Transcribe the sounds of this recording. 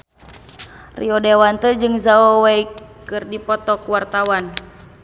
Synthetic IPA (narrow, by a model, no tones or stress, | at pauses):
rḭɔdɛwant̪ɛd͡ʒɨŋzaɔwɛikɨrdipɔt̪ɔkuwart̪awan